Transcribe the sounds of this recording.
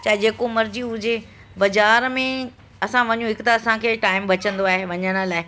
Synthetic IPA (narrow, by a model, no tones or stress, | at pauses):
t͡ɕaːɦɪd͡ʑeːkomɐɾd͡ʑiɦʊd͡ʑe | bɐzaːɾmẽ | ɐsãʋɐɲũɦɪkt̪aɐsãkʰeːʈaːɪmʋɐt͡ɕə̃nd̪oaːɦeʋɐɲəɽ̃ə̆laːɪ